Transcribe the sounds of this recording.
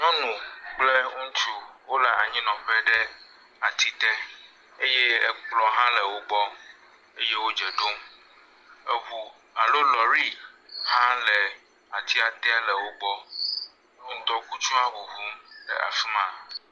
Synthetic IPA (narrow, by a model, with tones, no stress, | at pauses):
ŋɔ̃˦nũ˨k͡ple˦ŋũ˦ŋ˦t͡ʃu˦wo˦le˨ʔa̰˨ɲĩ˦nɔ̃˨ɸe˦ɖe˦ | a˨t̪i˦t̪e˦ | e˦je˦ɛ˦k͡plɔ˨ɦã˦lɛ˨wo˦ɡ͡bɔ˦ | e˦je˦wo˦d͡ʒe˨ɖo˦m | e˦βu˨ | a˨lo˦lɔ˨ɾi˦hã˦lɛ˨ | a˨t̪ʰi˦a˨t̪e˦a˦lɛ˨wo˦ɡ͡bɔ˦ | ŋ̩˨t̪ɔ˦ku˦t͡ʃũ˦a˦ɦu˨ɦu˦mɖɛ̰˨ʔa̰˨fi˦mã˨